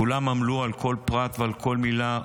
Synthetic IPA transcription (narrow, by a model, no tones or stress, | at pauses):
ulamamlualkʰo̞lpʁat̪vealkʰo̞lmila